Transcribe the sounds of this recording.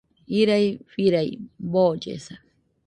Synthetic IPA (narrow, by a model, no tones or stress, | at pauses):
iɾajfiɾajbod͡ʒḛsa